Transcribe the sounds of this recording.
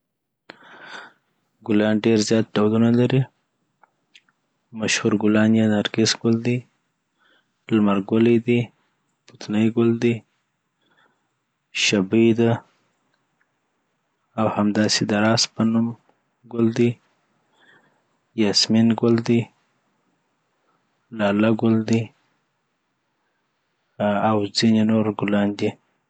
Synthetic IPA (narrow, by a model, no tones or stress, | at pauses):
ɡʊlɑnɖeɾzjɑt̪̚ɖawlunalaɾi | maʃhuɾɡʊlɑnjanaɾɡɪsɡʊld̪i | lmaɾɡʊlid̪i | put̪nəjɡʊld̪i | ʃabid̪a | awhamd̪ɑsed̪aɾɑspənum | ɡʊld̪i | jɑsminɡʊld̪i | lɑlaɡʊld̪i | awzinenoɾɡʊlɑnd̪i